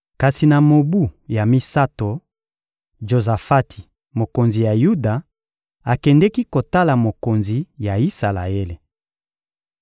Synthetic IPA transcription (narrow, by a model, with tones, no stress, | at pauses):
ka˨si˨na˨mo˨bu˦˨ja˨mi˦sa˦to˨ | ʒo˨za˨fa˦tʰi̥˨ | mo˨ko˨nzi˨ja˨ju˦da˨ | a˨kɛ˨ndɛ˦ki˦ko˨ta˦la˨mo˨ko˨nzi˨ja˨i˦sa˨la̰˨e˦le˨